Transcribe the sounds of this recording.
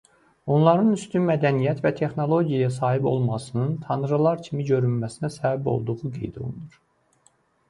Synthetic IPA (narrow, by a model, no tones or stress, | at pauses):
o̞nlˠɑɾɯnyst̪ynmæd̪ænijæt̪væt̪ʰe̞xno̞lˠo̞ɟijɑjɑs̬ɑːɦibo̞̰lˠmɑsɯnɯnt̪ʰɑnɯɾɯlˠɑɾcʰimiɟø̞ɾynmæsinæsæbæbo̞̰lˠd̪uʁuɡe̞̰jd̪o̞̰lˠṵnuɾ